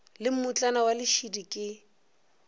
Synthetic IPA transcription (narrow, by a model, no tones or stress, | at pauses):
lɪm̩mʊt͡ɬʼanawalɪʃidikʼɪ